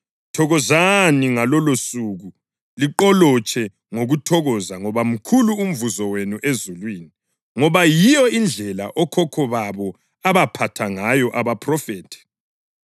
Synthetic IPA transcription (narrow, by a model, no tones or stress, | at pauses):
tʰɔɣɔzaniŋalɔlosuɣu | liǃɔlɔt͡ʃʰʼɛ | ŋoɣutʰɔɣɔzaŋɔβam̩kʰuluːm̩vuzɔwenuʔezulwiːni | ŋɔβajijɔind͡ɮʱɛla̰ʔɔkʰɔkʰɔβaβɔ | aβapʰatʰaŋajɔʔaβapʰrɔfeːtʰi̥